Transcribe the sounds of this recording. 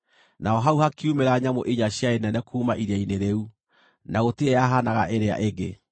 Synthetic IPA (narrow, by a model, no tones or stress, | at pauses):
naɔɦauhakiumeɾaɲamoʔiɲaɕjaenɛnɛkʰuːmaʔiɾaineɾeu | naɣoteɛaɦanaɣa̰ʔeɾea̰ʔeɡe